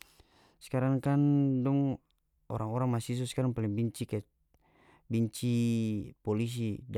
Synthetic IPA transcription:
skaɾaŋkandɔŋ | ɔ̰ɾaŋɔɾaŋmasis̬ɔskaɾaŋpalɛŋbiɲt͡ʃika | biɲt͡ʃipɔlis̬id

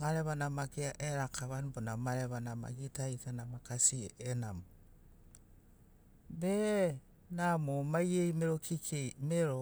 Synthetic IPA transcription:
maɾɛβanamakeaʔeɾakaβanbonamaɾɛβanama̰ɣitaitanamakasieʔenamo | βe | namomaieimeɾokʰikemeɾo

